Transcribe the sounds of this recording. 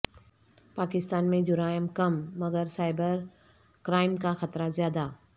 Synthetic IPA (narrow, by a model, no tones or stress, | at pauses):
paːkɪst̪aːnmẽd͡ʒʊɾaːjəmkɐmːɐɡəɾsaːɪbəɾ | kɾaːɪmkaxɐt̪ɾazjaːd̪aː